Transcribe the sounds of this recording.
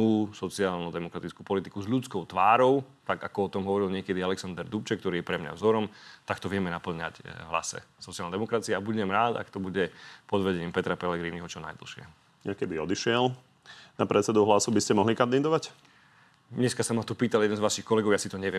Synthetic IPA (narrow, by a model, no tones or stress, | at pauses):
uːsɔt͡sɪaːlnɔd̪ɛmɔkɾat̪it͡skuːpɔlit̪ikuzʎut͡skɔʊt̪ʋaːɾɔʊ | t̪aɡakɔɔt̪ɔmɦɔʋɔɾilɲɪɛkɛd̪ialɛksand̪ɛɾd̪upt͡ʃɛk̚t̪ɔɾiːjɛpɾɛmɲa̰vzɔɾɔmt̪akt̪ɔʋɪɛmɛnapl̩ɲa̰cɦla̰sɛ̰sɔt͡sɪalnɛd̪ɛmɔkɾat͡siɛabuɟɛmɾaːd̪a̰kt̪ɔbuɟɛpɔd̪ʋɛɟɛɲiːmpɛt̪ɾapɛlɛɡɾiːniɦɔt͡ʃɔna̰jd̪l̩ʃɪɛ̰ | ɲakɛbiɔd̪iʃɪɛl | napɾɛt͡sɛd̪uɦlasubiscɛmɔɦlikand̪id̪ɔʋac | ɲɛskasamat̪upiːt̪aljɛd̪ɛnzʋaʃixkɔlɛɡɔʊjasit̪ɔɲɛʋɪɛ